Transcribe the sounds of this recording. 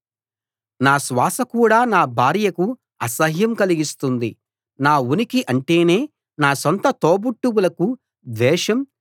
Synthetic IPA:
naːsʋaːsɐkuːɽaːnaːbʱaːɾjɐku | ɐsɐɦjɐmkɐliɡist̪und̪i | naːunikiʔɐɳʈe̞ːne̞ː | naːsont̪ɐt̪oːbuʈːuwulɐku | d̪ɛːʂɐm

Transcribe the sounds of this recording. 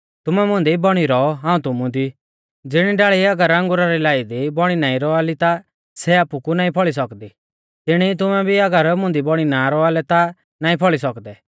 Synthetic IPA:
t̪ʊmɛmʊ̃nd̪ibɔɽ̃iɾɔɔɦãːũt̪ʊmũd̪i | d͡zɪɽ̃iɖaɭiɐɡəɾɐ̃ŋɡʊɾaɾilaːid̪ibɔɽ̃inaːĩɾɔaːlit̪a | sɛaːpukunaːĩpʰɔɭis̬ɔkd̪i | t̪ɪɽ̃it̪̬ʊmɛbʱiɐɡəɾmʊ̃nd̪ibɔɽ̃inaɾɔaːlɛt̪a | naːĩpʰɔɭisɔkd̪ɛ

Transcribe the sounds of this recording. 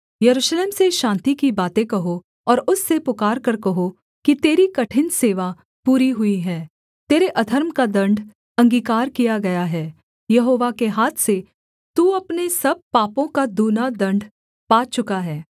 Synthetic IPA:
jɐɾuːʃleːmseʃãːnt̪ikibaːt̪ẽkɐɦo | ɔːɾʊsːepʊkaːɾkɐɾkɐɦo | kit̪eːɾikɐʈʰɪnseːʋa | puːɾiɦʊiɦɛː | t̪eːɾeʔɐd̪ʱɐɾmkad̪ɐ̃ɳɖʱ | ɐ̃ŋɡiːkaːɾkijaɡɐjaɦɛː | jɐɦoːʋakeɦaːt̪ʰse | t̪uːɐpnesɐb̚paːpõkad̪uːnad̪ɐ̃ɳɖ | paːt͡ʃʊkaɦɛː

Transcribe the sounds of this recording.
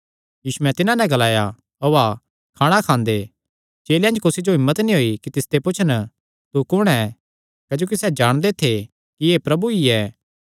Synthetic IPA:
jiːsuɛ̃t̪ɪnãnɛ̃ɡɐlaːja | oa | kʰaːɽ̃akʰãːnd̪e | t͡ʃeːljãːnd͡ʒkʊsid͡ʒoɦɪ̃mːət̪nĩɦoːikit̪ɪst̪epʊt͡ʃʰənə | t̪ukʊɽ̃ɛ | kɐd͡ʒoːk̬isɛd͡ʒaːɽ̃d̪et̪ʰe | kiepɾɐbuiɛː

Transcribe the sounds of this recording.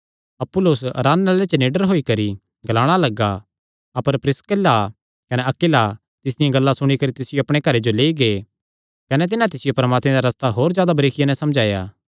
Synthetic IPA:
ɐpːʊlʊsɾaːnːalet͡ʃneːɖəɾɦoːikɐɾi | ɡɐlaːɽ̃alɐɡa | ɐpəɾpɾɪskəla | kɐnɛɐkɪla | t̪ɪs̬d̪ɪjãɡɐlːasʊɽ̃ikɐɾit̪ɪsɪjoɐpɽ̃ekɐɾed͡ʒoleːiɡeː | kɐnɛt̪̬ɪnãt̪̬ɪsɪjopɐɾmaːt̪mẽd̪aɾɐst̪aɦoːɾd͡ʒjaːd̪abɐɾeːkʰɪjanɛ̃sɐmd͡ʒaːja̰ː

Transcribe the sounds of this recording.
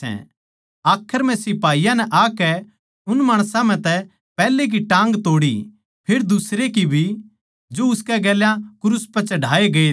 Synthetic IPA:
ɛ̰̃ | aːkʰːəɾmɛ̃sɪpaːijãnɛʔaːkɛ | ʊnmaːɽ̃sãm̤ɛ̃t̪ɛ | pɛːlek̬iʈãːŋɡt̪oːɽi | pʰɪɾd̪ʊsɾekibʱi | d͡ʒoʊskɛɡɛːljãkʊɾʊspɐt͡ʃɐɖʱaːeɡɐe

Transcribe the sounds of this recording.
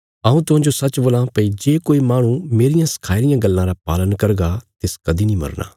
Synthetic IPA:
aũt̪ʊɦãːd͡ʒoːsət͡ʃboːlãːpəiːd͡ʒeːkoːiːmaːɽ̃ũːmeːɾɪjãːsə̥kʰaːiɾɪjãːɡəlːãːɾaːpa̰ːlənkəɾɡaːt̪ɪskɐd̪iːnĩːmɐ̰ɾna̰ː

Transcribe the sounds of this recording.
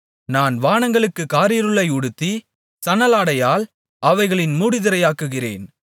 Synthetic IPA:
naːnʋaːɳɐŋɡɐɭɯkːɯkaːɾɪjɐɾɯɭːɐɪʊɽɯt̪ːi | sɐnɐlaːɽɐjaːl | ʔɐʋɐɪɣɐɭɪnmuːɽɪðɪɾɐjaːkːɯɣɪrḛːn

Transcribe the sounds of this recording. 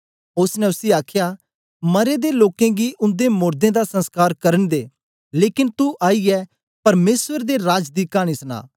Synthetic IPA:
ʊsnɛ̃ʊsiaːkʰjaː | mɐɾed̪eloːkẽɡiʔʊ̃nd̪emʊːɾd̪ẽd̪asə̃nskaːɾkɐɾənd̪eː | leːkɪnt̪uʔaːiɛː | pɐɾmeːsʋəɾd̪eɾaːd͡ʒd̪iːkaːɽ̃isna̰ː

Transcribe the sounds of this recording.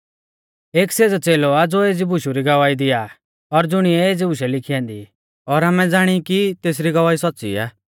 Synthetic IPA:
eːkseːd͡zat͡seːlɔad͡zoeːd͡zibʊʃuɾiɡɐʋaːid̪ɪja | ɔɾd͡zʊɽ̃iɛeːd͡zibʊʃɛlɪkʰijãːnd̪i | ɔɾaːmɛd͡zaːɽ̃ikit̪eːs̬ɾiɡɐʋaːisɔtːt͡sḭa̰ː

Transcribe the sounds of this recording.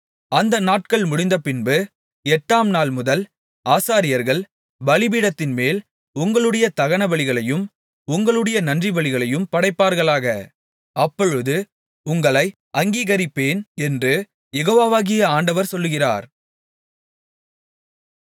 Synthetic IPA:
ɐnd̪ɐnaːʈ̚kɐɭmʊɽɪnd̪ɐpɪnbɯ | ɛʈːaːmnaːlmʊðɐl | aːsaːɾɪjɐɾɣɐɭ | bɐɭɪbiːɽɐt̪ːɪnmeːl | ʊŋɡɐɭɯɽɐjɐt̪ɐɣɐɳɐʋɐɭɪɣɐɭɐjɯm | ʊŋɡɐɭɯɽɐjɐnɐndrɪʋɐɭɪɣɐɭɐjɯmpɐɽɐɪpːaːɾɣɐɭaːɣɐ | ɐpːɔɻɯðɯ | ʊŋɡɐɭɐɪ | ɐŋɡiːɣɐɾɪpːeːnɛndrɯ | jɛɣoːʋaːʋaːɣɪjɐaːɳɖɐʋɐɾsɔlːɯɣɪra̰ːɾ

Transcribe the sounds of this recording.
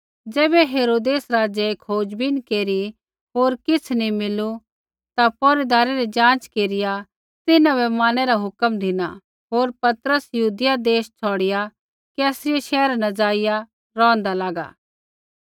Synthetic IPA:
d͡ʒɛːbɛɦeːɾoːd̪eːsɾaːd͡ʒeekʰoːd͡ʒbinkeːɾi | ɦoːɾkɪt͡sʰnimɪlu | t̪apɔːɾid̪aːɾeɾɛd͡ʒãːt͡ʃkeːɾɪja | t̪ɪnãbɛmaːñɛɾaɦʊkəmd̪ʱɪna̰ | ɦoːɾpɐt̪ɾəsjɐɦuːd̪ɪjad̪eːst͡ʃʰɔːɽɪja | kɛːsɾɪjeʃɛːɾnɐd͡ʒaːɪja | ɾɔ̃ːə̃nd̪alaːɡa̰ː

